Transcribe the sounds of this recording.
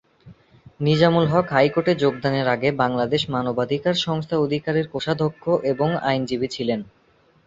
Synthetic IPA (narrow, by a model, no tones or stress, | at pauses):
nid͡ʑamulɦɔkɦajkoʈed͡ʑoɡ̚d̪aneɾaɡebaŋlad̪eʃmanobad̪ʱikaɾʃɔŋst̪ʰaod̪ʱikaɾeɾkoʃad̪ʱokʰːoʔeboŋa̰jnd͡ʑibit͡ɕʰilen